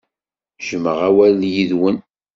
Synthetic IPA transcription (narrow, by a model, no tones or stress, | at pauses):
ʒ̥əməʁæwæljiðwən